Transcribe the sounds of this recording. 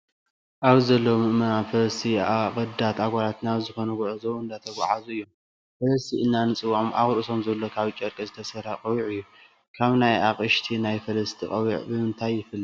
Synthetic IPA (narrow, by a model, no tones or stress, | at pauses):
ʔaβzɐlːɐwmɨʔmɐnafɐlɐst̪ʰiakʼɨd̪at̪aɡʷalat̪naβzɨxo̞nɐɡʊʕɨzowɨnd̪at̪ʰɐɡʷa̰ʕazuɨjːo̞m | fɐlɐst̪ʰiɨnːanɨt͡sʼɨwʕomʔa̰ɣʼɾɨsomzɐlːo̞kʰaβt͡ʃʼɐɾkʼɐzɨt̪ʰɐsɐɾaqʼɐwiʕɨjːu | kʰaβnajaqʼɨʃt̪ʰinajfɐlɐst̪ʰiqʼɐwiʕbɨmɨnt̪ʰajːɪfɨlːi